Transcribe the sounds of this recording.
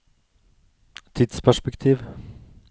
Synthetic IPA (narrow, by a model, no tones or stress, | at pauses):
t̪ʰɪd̪spʰæʂpɛkt̪ʰiːʋ